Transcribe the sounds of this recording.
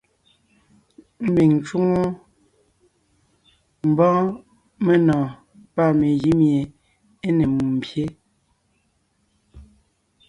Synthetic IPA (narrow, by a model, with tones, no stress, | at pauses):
m̩˦bi˨ŋ˨t͡ʃu˦ŋo˦ | m̩˨bɔ̃ː˦ | me˦nɔ̃ː˨ | pa˦˨me˨ɣi˦mje˨ | e˦ne˨mu˨m̩˨pje˦